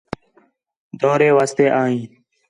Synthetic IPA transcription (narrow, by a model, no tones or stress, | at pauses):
d̪oːɾeːʋaːst̪eːʔaːɦĩː